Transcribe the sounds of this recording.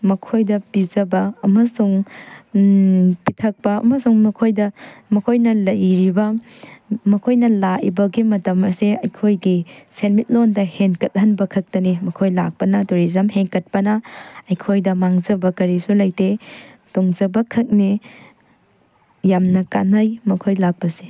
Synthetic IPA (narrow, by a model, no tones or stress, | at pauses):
mɐkʰojdɐpid͡ʒɐbɐːmɐsuŋ | pitʰɐk̚pɐɐ̰mɐsuŋmɐkʰojdɐmɐkʰojnɐlɐjɾibɐ | mɐkʰojnɐlaḭbɐɡimɐtɐmɐseɐjkʰojɡisenmit̚londɐhenkɐt̚ɦɐnbɐkʰɐk̚tɐnimɐkʰojlak̚pɐnɐtoɾizɐmheŋkɐt̚pɐnɐɐjkʰojdɐmaŋzɐbɐkɐɾisulɐjtetoŋzɐbɐkʰɐk̚ni | jamnɐka̰nɐjmɐkʰojlak̚pɐse̥